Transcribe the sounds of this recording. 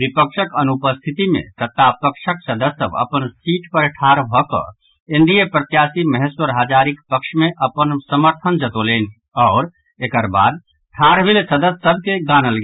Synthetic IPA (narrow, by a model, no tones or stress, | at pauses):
bipəkʃəkənupəst̪ʰit̪imḛ̃t̪ət̪ːapəkʃəksəd̪əsə̰bə̰pənsiːʈpəɾʈʰaɾbʱɔkə̰ | ɪ̃nd̪ijəpɾət̪jasiməɦɛswəɾɦad͡ʒaɾikpəkʃmẽʔəpənsəməɾt̪ʰənd͡ʒət̪oleːni | ɔːɾ | ekəɾba̰ːd̪̚ | ʈʰaɾbʱilsəd̪əsəb̚ʱkeɡanəlɡ